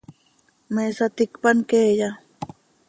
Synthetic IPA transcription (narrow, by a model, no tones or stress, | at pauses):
meːsat̪ɪkpankeːja